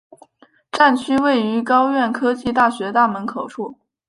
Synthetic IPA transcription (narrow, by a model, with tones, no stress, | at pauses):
ʈ͡ʂa˥˩nt͡ɕʰy˥we˥˩ɪy˧˥kɑ˥ʊɥɛ˥˩nkʰɤ˥t͡ɕi˥˧t̪̬a˥˩ɕɥɛ˧˥t̪a˥˩mə˧˥nkʰo˨˩ʊʂu˥˩